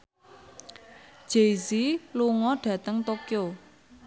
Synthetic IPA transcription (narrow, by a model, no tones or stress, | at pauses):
ʒ̥esiluŋɔɖ̥ä̤t̪əŋt̪okjo